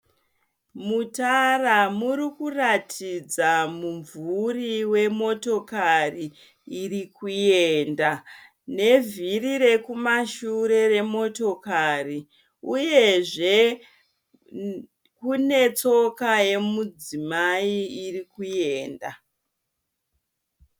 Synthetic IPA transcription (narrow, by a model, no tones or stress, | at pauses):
mutaramurikuratʰid͡zamuɱvuriwe̞mo̞to̞kariː | rikuje̞nda | ne̞virire̞kumaʃuɾe̞re̞mo̞to̞kari | uje̞ʐe̞ | kune̞t͡so̞kaje̞mud͡zimaiirikuje̞ːnda̰